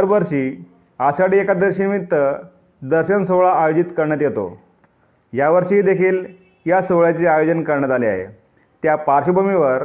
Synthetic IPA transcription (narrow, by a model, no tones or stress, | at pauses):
ɾʋəɾʂiː | asaɽiekad̪əɾɕinmit̪ːə | d̪əɾɕənsoɭaːjod͡ʑit̪kəɾɳ̃əːt̪jet̪o̰ | jaʋəɾʂid̪ekʰiːl | jasoʋɭjat͡seajod͡zənkəɾɳət̪alia̰ɦḛ | t̪japaɾɕəbəmiʋəɾ